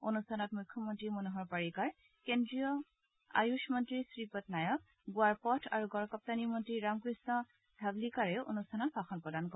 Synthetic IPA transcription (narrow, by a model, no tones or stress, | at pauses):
onustʰanɔtmujkʰːɔmɔntɹimonuɦɔɹpaɹikaɹ | kendɹijɔ | a̰juʃmɔntɹisɹipɔtnajɔk̚ | ɡuaɹpɔtʰa̰ɹuɡɔɹkɔp̚tanimɔntɹiɹamkɹisnɔ | dʱablikaɹɛʔo̰nustʰanɔt̚baxɔnpɹɔdankɔ